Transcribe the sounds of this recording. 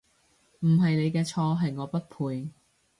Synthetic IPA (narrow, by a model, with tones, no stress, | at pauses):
m̩˨˩ɦɐ˨jne˨˧jkɛː˧t͡ʃʰɔː˧ɦɐ˨jŋɔː˨˧pɐ˥t̚pʰuː˧j